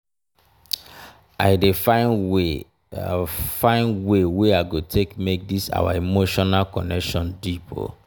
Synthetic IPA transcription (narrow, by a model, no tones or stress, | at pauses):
aɪdefae | fãɪ̃nweweaɪɡotʰekmek̚disa̰wa̰imoʃɔnalkɔnɛkʃɔ̃ndipʰo̰